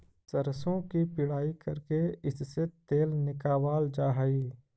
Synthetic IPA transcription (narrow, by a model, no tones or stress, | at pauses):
sɐɾsõkipɪɽaːikɐɾkeɪsset̪eːlnɪkaːwaːld͡ʒaːɦaːiː